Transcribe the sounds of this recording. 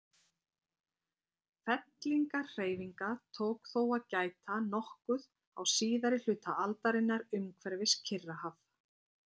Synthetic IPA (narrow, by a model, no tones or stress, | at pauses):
fɛt̪liŋkar̥eːjviŋkat̪ʰowkθowaðcaːjt̪ʰanɔhkʏð | awsiːðaɾɪl̥ʏːt̪aalt̪aɾɪnːaɾʏmkʰvɛɾvɪscʰɪrːahav